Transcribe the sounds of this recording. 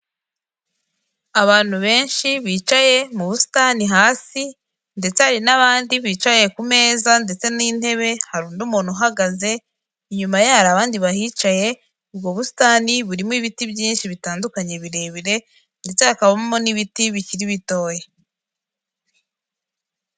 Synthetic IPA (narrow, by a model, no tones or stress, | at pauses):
aβaːn̥huβe̞ːnʃiβiːt͡ʃaje̞muβusi̥taniɦaːsi | nde̞t͡sehaɾinaβaːndiβiːt͡ʃaje̞kume̞ːzande̞t͡se̞niːn̥he̞βe̞haɾuːnduːmuːn̥huɦaɡaze̞ | iɲumajehaɾaːβaːndiβahiːt͡ʃaje̞ | ubɡo̞βusi̥taniβuɾimoiβitibjiːnʃiβitaːndukaɲe̞βiɾe̞ːβiɾe̞ | nde̞t͡se̞akaβamo̞niβitiβiciɾiβito̞ːje